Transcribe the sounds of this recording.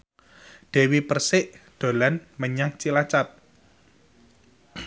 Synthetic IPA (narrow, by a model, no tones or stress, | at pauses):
ɖ̪̥ɛ̤wipərsɪʔd̪̥o̤lanməɲaŋt͡ʃilat͡ʃat̪̚